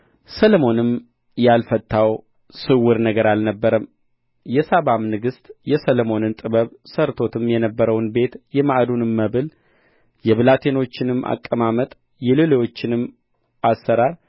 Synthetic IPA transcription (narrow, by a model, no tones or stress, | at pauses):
səlmo̞nɨm | jalfət̪ʼːaw | sɨwːɨɾnəɡəɾalnəbːəɾəm | jɛsaβamnɨɡɨst̪jɛsəlmo̞nɨnt̪ʼɨβəβsəɾt̪ʰo̞t̪ʰɨmjɛnəbːəɾəwnbe̞t̪jɛmaʔd̪unɨmːəβɨl | jɛβɨlat̪ʰe̞no̞t͡ʃːɪnɨma̰kʼːəmamət̪ʼ | jɛlelewo̞t͡ʃːɪnɨm | asːəɾaɾ